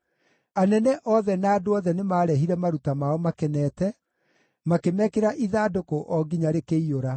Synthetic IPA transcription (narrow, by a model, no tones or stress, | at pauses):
anɛnɛʔɔðɛnaːdoɔðɛnemaːɾɛɦiɾɛmaɾutamaɔmakɛnɛːtɛ | makemɛkeɾaʔiðaːdokoʔɔɡiɲaɾekeioɾa